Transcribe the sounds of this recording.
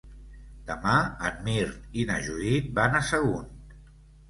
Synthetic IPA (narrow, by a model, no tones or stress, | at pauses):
d̪̥əmaənmiɾt̪inə̰ʒuit̪̚banasəɣun